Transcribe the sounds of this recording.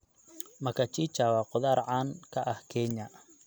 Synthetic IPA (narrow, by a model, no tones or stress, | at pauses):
mɐkʰɐt͡ʃiːt͡ʃaːwaːqʊðaːɾʕaːnkʰɐʔɐhkʰɛɲɐ